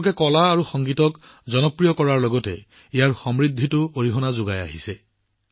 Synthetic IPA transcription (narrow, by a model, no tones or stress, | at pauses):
kɛkɔlaːɹuxɔŋɡitɔk | zɔnɔpɹijɔkɔɹaɹlɔɡɔtɛ̰ | ijaɹxɔmɹid̪ʱːitʊoɹiɦɔnazʊɡaja̰ɦisɛ